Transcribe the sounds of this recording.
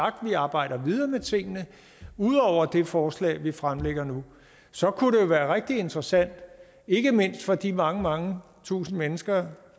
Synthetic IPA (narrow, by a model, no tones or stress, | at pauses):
ɑ̈ɡ̥̚d̥ʋiɑ̈ːb̥ɑ̈ɪ̰ɾ̥ɐʋið̞ˠɐːmet͡sʰe̝ŋ̰ənə | uð̞̰ˠɒʊ̰ɐd̥e̝fɒːslɛ̰ːɪʋifʁamleɡ̥ɐnu | sɒ̽kʰuɾe̝jo̝ʋæːɐʁɛɡ̥̚d̥ie̝nd̥ʁɐsæn̰d̥ | e̝ɡ̥əme̝n̰sd̥fɒ̽d̥imɑ̈ŋəmɑ̈ŋə | t͡sʰṵːsn̩menəsɡ̥ɐ